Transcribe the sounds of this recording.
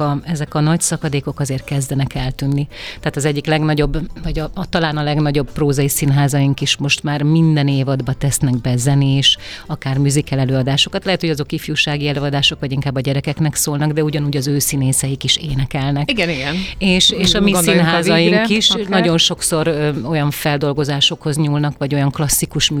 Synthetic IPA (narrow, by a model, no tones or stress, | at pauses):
ɒɛzɛkɒnɒcsɒkɒd̪eːko̞kɒzeːrt̪̚kɛzd̪ɛnɛkɛlt̪ynːit̪ɛːt̪ɒzɛɟːiklɛɡnɒɟo̞bːvɒɟɒt̪ɒlaːnɒlɛɡnɒɟo̞bproːzɒjisinɦaːzɒjiŋkiʃmo̞ʃt̪maːrmind̪ɛneːvɒd̪bɒt̪ɛsnɛɡbɛzɛnieːʃ | ɒkaːrmyzikɛlɛløːɒd̪aːʃo̞kɒt̪lɛɦɛt̪ho̞ɟɒzo̞kifjuʃaːɡiɛløːɒd̪aːʃo̞kʋɒɟiŋkaːbːɒɟɛɾɛkɛknɛksoːlnɒɡd̪ɛuɟɒnuːɟɒzøːsineːsɛjikiʃeːnɛkɛlnɛkiɡɛniɡɛneːʃeːʃɒmisinɦaːzɒjiŋkkiʃnɒɟo̞nʃo̞kso̞ɾo̞jɒɱfɛld̪o̞lɡo̞zaːʃo̞kho̞zɲuːlnɒkʋɒɟo̞jɒŋklɒsːikuʃ